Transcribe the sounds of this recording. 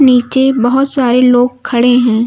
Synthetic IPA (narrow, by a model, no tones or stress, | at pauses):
niːt͡ʃebɐɦʊt̪saːɾeloːɡ̚kʰːɐɽeɦɛ̃ː